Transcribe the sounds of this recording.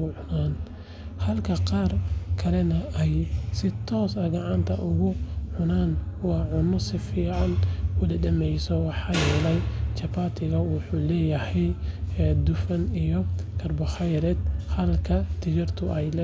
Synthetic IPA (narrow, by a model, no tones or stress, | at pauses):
ʊʕʊnaːn | hɐlkʰɐqɑːrkʰɐlɛnɐɛjsɪt̪ʰɔːsɐɡɑʕɑnt̪ʰɐ̰ʔʊɣʊʕʊnaːnwɑːʕʊnɔsɪfiːʕɑnwɐðɐɖɐmɛjsɔwɑħɑːjɛːlɛjt͡ʃɐpaːt̪ʰɪɣɐwʊħuːlɛːjɐhɛj | d̪ʊfɐnijɔkʰɐrbɔχɑjɾɛd̪̚hɐlkʰɐt̪ʰɪt͡ʃɐrt̪ʰʊʔɛjlɛ